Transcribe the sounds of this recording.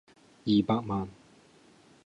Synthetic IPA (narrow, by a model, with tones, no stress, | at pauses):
i˨ba˧k̚ma˨n